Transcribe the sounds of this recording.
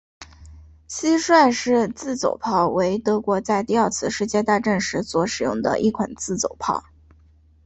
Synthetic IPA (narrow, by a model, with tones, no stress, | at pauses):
ɕi˥ʂwa˥˧nʂɻ̩˥˧t͡sɹ̩˥˩t͡so̰˨˩ʊpʰɑ˥˩ʊwe˧˥ɪt̪ɤ˧˥kwɔ˧˥t͡sa˥˧ɪt̪i˥˧ɑ˥˧t͡sʰɹ̩˥˧ʂɻ̩˥˧t͡ɕjɛ˥˧t̪a˥˧ʈ͡ʂə˥˩nʂɻ̩˧˥swɔ˧˥ʂɻ̩˨˩jʊ˥˩ŋd̪ə̰˩ʔi˥˩kʰwa̰˨˩nt͡sɹ̩˥˩t͡so˨˩ʊpʰɑ˥˩ʊ